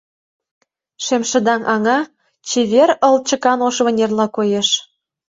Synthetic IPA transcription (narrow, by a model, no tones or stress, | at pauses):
ʃemʃə̆d̪ɑŋʔɑŋɑ | t͡ɕeβerə̆lt͡ɕə̆kɑnoʃβə̆nʲerlɑkojeʃ